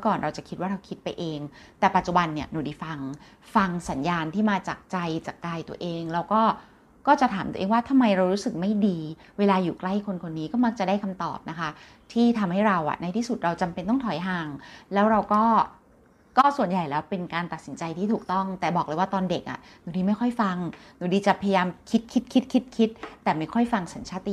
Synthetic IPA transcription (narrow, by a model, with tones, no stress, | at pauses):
kɔː˨˩nɾa˧wt͡ɕa˨˩kʰi˦t̪̚waː˥ɾa˧wkʰi˦˥t̪̚pa˧jʔeː˧ŋt̪ɛː˨˩pa˨˩t̪̚t͡ɕu˨˩ba˧nːi˥˩ɐnuː˧˩diː˨˩fa˧ŋ | fa˧ŋsa˩˦njaː˧nt̪ʰiː˥˩maː˧t͡ɕaː˨˩k̚t͡ɕa˧jt͡ɕaː˨˩kːaː˧jt̪u˧əʔeː˧ŋlɛa˧wkɔː˥˩ | kɔː˥˩t͡ɕa˨˩t̪ʰaː˩˦mt̪u˧ʔːŋwaː˥˩t̪ʰa˧mːa˧jɾa˧wɾuː˦˥sɯ˨˩k̚ma˥˩jdiː˧ | weː˧laː˧juː˨˩kla˥˩jkʰo˧nkʰo˧nːiː˦˥kɔː˥˩ma˦˥k̚t͡ɕa˨˩daː˥˩jkʰa˧mt̪ɔ̰ː˨˩p̚na˦˥kʰa˦˥ | t̪ʰiː˥˩t̪ʰa˧mha˥˩jɾa˧wʔa̰˨˩ʔna˧jt̪ʰiː˥˩su˨˩t̪̚ɾa˧wt͡ɕa˧mpe˧nt̪ɔ˥˩ŋt̪ʰɔ˨˩˦jɦaː˧˩ŋlɛː˦˥wɾa˧wkɔː˥˩ | kɔː˥˩su˨˩ənja˨˩jlɛː˦˥wpe˧nkaː˧nt̪a˨˩t̪̚si˩˦nt͡ɕa˧jt̪ʰiː˥˩uː˨˩k̚t̪ɔ˥˩ŋt̪ɛː˨˩bɔː˨˩k̚lɤ˧jwaː˥˩t̪ɔː˧nde˨˩k̚ʔa̰˨˩nuː˨˩˦diː˧ma˥˩jkʰɔ˥˩jfa˧ŋnuː˨˩˦diː˧t͡ɕa˨˩pʰja˧jaː˧mkʰi˦˥t̪̚kʰi˦˥t̪̚kʰi˦˥t̪̚kʰi˦˥t̪̚kʰi˦˥t̪̚ːɛː˨˩ma˥˩jkʰɔ˥˩jfa˧ŋsa˩˦nt͡ɕʰaː˦˥t̪i˨